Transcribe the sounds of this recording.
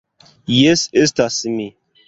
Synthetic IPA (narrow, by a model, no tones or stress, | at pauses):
jesestasimi